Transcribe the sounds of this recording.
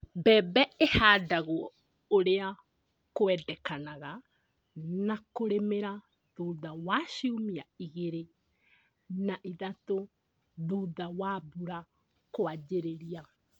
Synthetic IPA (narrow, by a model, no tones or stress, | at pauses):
bɛːbɛehaːdaɣoɔ | oɾea | koɛdɛkanaɣa | nakoɾemeɾa | ðoːðawaːʃiomiaiɣeɾe | naʔiðato | ðoːðawaːbuɾa | koad͡ʑeɾeɾia